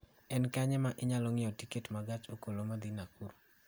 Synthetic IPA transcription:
ɛnkaɲɛmaʔɪɲalɔŋɪjɔtiketmaɡat͡ʃokolomad̪inakuɾu

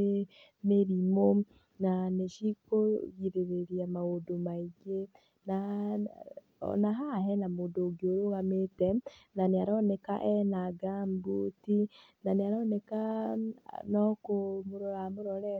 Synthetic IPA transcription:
e | meɾimo | naneʃikoɣiɾeɾeɾiamaodomaiɡe | na | naɦaɦɛnamodoɡioɾoɣametɛnaneaɾɔnɛkaʔɛnaɡambuti | naneaɾɔːnɛka | nɔkomoɾɔɾamoɾɔɾɛ

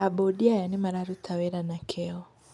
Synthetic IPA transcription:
aɓɔɗiajanimaɾaɾutʰawɛɾanakʰɛɔ

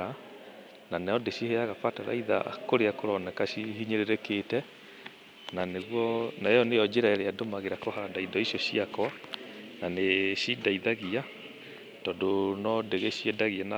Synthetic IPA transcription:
a | nanɛɔdeɕiheaɣapataɾa̰iða̰koɾeakoɾɔnɛkaɕihiɲeɾeɾeketɛ | naneɣwɔnajɔnejɔd͡ʑeɾaɛɾeadomaɣeɾakohaɾadaidɔiɕjɔɕiakɔananeɕidaiðaɣia | tɔdonɔdeɣeɕiedaɣiana

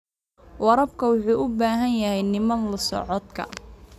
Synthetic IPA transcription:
wɐɾɐb̚kʰɐwʊħuːʔʊbaːɦɐnjɐhɛjnɪmɐnlɐsɔ̰ʕɔd̪kʰɐ̰

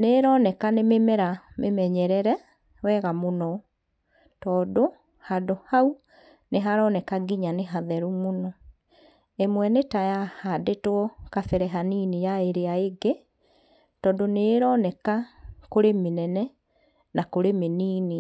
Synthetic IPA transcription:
neɾɔnɛkanememɛɾamemɛɲɛɾɛɾɛ | wɛɣamonɔ | tɔːdo | hadohau | neɦaɾɔnɛkaɡiɲaneɦaðɛɾumonɔ | emwɛnetajahadetwɔkafɛɾɛɦaniːnijaeɾeaeɡe | tɔːdoneɾɔnɛkakoɾemenɛnɛ | nakoɾemeniːni

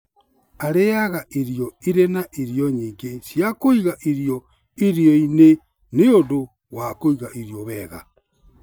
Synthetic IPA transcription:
aɾejaɣaʔiɾijɔiɾenaʔiɾijɔɲiːŋɡesjakoiɣaʔiɾjɔ | iɾjɔine | neodo | wakoiɣaʔiɾjɔβɛɣa̰

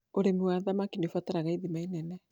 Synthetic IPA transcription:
oɾemwaðamakinefataɾaɣaiðimainɛnɛ

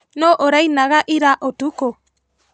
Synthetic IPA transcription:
nɔʔoɾajnaɣaʔiɾaʔotuko

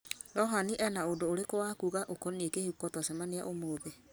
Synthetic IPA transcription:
ɾɔɦaniʔɛnaodoːɾekowakuɣaʔokɔnekehukɔtɔsɛmanea̰ʔomoðe

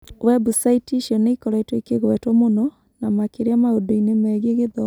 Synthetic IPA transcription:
wɛbusaitiʃiɔneikɔɾaitwekeɣwɛtwɔmonɔ | namakeɾeamaodoinemɛɣeɣeðɔ

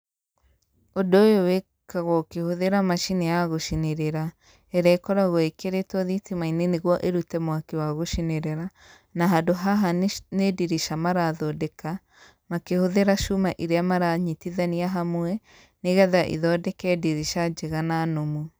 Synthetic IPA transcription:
odoːjowe | kaɣɔkehoðeɾamaʃinɛjaɣoʃineɾeɾa | ɛɾɛkɔɾaɣoekeɾetɔðitimaineneɣwɔʔeɾutɛmwakewaɣoʃineɾɛɾa | naɦadoɦaɦanediɾiʃamaɾaðɔdɛka | makehoðeɾaʃumaʔiɾeamaɾaɲitiðaniaɦamwɛ | neɣɛðaʔḭðɔdɛkɛdiɾiʃad͡ʒeɣananomu

